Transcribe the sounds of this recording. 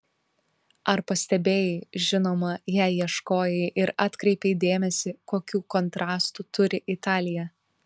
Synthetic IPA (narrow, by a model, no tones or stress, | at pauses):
ɐɾpɐsʲt̪ʲɛbʲeːjɛʒʲɪnoːmɐjæːjiɛʃkoːjɛɪʔɪɾɑːt̪kɾʲɛɪpʲɛd̪ʲeːmʲɛsʲɪkoːkʲuːkɔnt̪ɾɑːst̪uːt̪ʊɾʲɪʔɪt̪ɑːlʲɪjɛ